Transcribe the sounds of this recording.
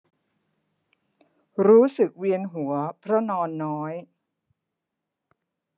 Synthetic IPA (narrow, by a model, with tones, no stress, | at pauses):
ɾuː˦˥sɯ˨˩k̚wi˧ənɦu˨˩˦ɐpʰɾɔ˦˥nɔː˧nːɔː˦˥j